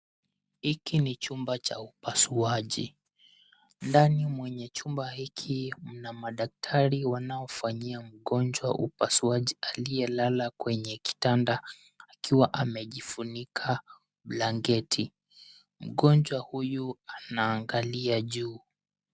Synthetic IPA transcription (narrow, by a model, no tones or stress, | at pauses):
hikinit͡ʃumbat͡ʃa̰upasuaʄḭ | ndanimwɛɲɛt͡ʃumbahikʰim̩namaɗak̚tʰaɾiwanaɔfaɲiam̩ɠɔnd͡ʒwa̰ʔṵpasuaʄialiɛlalakwɛɲɛki̥tandaː | kiwaʔamɛʄifunikʰa | ɓlaŋɡɛtʰi | m̩ɠɔnd͡ʒwahujuanaːŋɡaliaʄuː